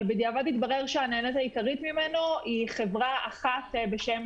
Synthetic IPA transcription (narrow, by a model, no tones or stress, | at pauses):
bed̪iavad̪itbaʁeʁʃeaneenet̪aikaʁit̪mime̞no̞iχe̞vʁaaχat̪be̞ʃe̞m